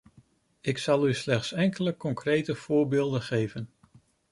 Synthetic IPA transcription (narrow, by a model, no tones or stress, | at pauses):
ɪksɑlˠyslɛχtsɛŋkələkɔŋkrejtəv̥ʊːɹbɪːlˠdəχejvən